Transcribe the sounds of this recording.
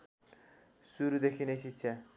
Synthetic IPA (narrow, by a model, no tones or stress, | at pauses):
suɾud̪ekʰinesitːsʰa